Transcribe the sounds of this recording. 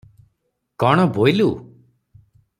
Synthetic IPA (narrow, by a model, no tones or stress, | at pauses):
kɔɽ̃ɔbojlu